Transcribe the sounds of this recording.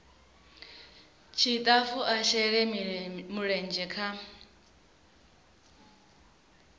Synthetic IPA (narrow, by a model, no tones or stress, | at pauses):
t͡ʃʰit̪ʼafuʔaʃɛɺɛmuɺɛnd͡ʒɛkʰa